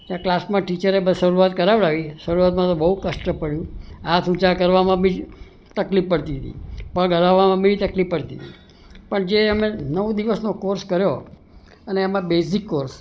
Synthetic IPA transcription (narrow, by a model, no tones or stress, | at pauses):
t̪ãklasmãʈit͡ʃəɾebəʃəɾuat̪kəɾaʋəɭaʋiʃəɾuat̪̚mãt̪obəɦukəʃʈəpəɽjũat̪ũt͡ʃakəɾʋamãbĩ | t̪əklipːəɽt̪iɦət̪ḭpə̃ɡʱəlaʋamãbiit̪əklipːəɽt̪it̪i | pəɳd͡ʒeəmenəʋud̪iʋəsnokoɾskəɾjo | əneːmãbesikːoɾs